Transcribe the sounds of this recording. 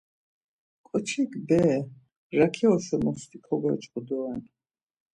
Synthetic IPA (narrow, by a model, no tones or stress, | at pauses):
kʼɔt͡ʃʰikbɛ | ɾakʰiɔʃɛmɔst̪ikʰɔbɛt͡ʃʼqʼud̪ɔɛn